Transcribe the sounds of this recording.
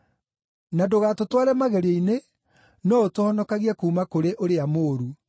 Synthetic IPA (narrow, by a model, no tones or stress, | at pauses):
nadoɣatotwaɾɛmaɣɛɾeine | nɔotohɔnɔkaɣiɛkuːmakoɾeʔoɾeamoːɾu